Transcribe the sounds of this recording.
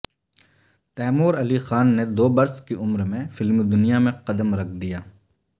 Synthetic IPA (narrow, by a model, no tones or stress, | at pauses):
t̪ɛːmoːɾɐlixaːnːed̪oːbɐɾskiʔʊmɾmẽfɪlmd̪ʊnijamẽqɐd̪əmɾɐkʰd̪ijaː